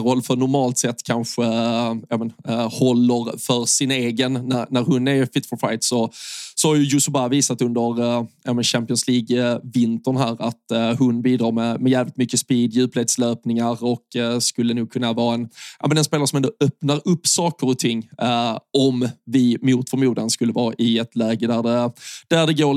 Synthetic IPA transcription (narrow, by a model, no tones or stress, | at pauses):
ɾɔlːfœɾɳʊɾmɑːlt̪sɛt̪ːkʰanɧəaːmənhɔlːəɾfœɾsɪneːɡənːæɾnæɾhʊnːɛɾfɪt̪fɔfa̰jt̪sɔsɔhaɾjʉjʊsʊbaviːsat̪hɵnd̪əɾjaːmɛnɕæmpɪɔnsliːɡvɪnt̪əɳɦæːɾat̪hʊnbiːd̪ɾɑːɾmɛmɛjæːvlɪt̪mʏkːəspiːd̪jʉːpleːt̪sløːpnɪŋaɾɔkskɵlːənuːɡ̚kʰɵnːavɑːɛnʔɑ̰ːmɛnɛnspeːlaɾəʂɔmɛnd̪oœpnaɾɵpːsɑːkəɾɔt̪ʰɪŋː | ɔmvɪmʊːt̪fœɾmuːd̪anskɵlːəvɑːʔɪɛt̪læːɡəd̪æɖɛd̪̥æɖɛɡoː